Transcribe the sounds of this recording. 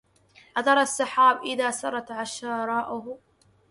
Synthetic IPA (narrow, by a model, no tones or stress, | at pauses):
ʔaðɑɾˤɑsˤːɑħaːbʔɪðaːsɑɾˤɑt̪ʕaʃɑːɾˤɑːʔʊh